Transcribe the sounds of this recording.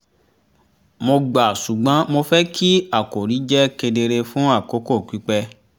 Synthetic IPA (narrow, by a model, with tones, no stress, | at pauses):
mo˧ɡ͡ba˨su˨ɡ͡bã˨˦mo˧fɛ˦kʰi˦a˦˨ko˨ɾi˨˦d͡ʒɛ˦ke˧de˧ɾe˧fũ˦a˦˨ko˨˦ko˦˨ki˨˦k͡pɛ˧